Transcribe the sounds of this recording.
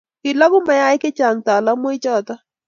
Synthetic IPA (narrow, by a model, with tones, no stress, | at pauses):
kɪ˨la˦ɡʊ˦ma˨ja˦ɪ˦kɪ˦t͡ʃa˨ŋt̪a˨la˦mwɪ˦t͡ʃɔ˦t̪ɔ˦